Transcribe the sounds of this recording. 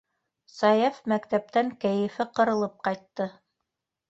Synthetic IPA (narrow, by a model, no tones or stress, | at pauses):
sɑjæfmækt̪æp̚t̪æŋkæjɘ̆fɘqɤ̆ɾɤ̆lˠɤp̚qɑjt̪ːɤ